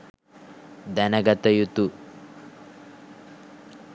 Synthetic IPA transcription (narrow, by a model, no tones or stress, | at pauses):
d̪ɐnɐɡɐt̪ɐjut̪u